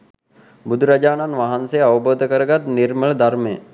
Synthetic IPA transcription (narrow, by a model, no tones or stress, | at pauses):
bud̪ʱuɾad͡ʑaːnanʋaɦansejaʋəboːd̪ʱəkəɾəɡat̪niɾməɭəd̪aɾməjə̰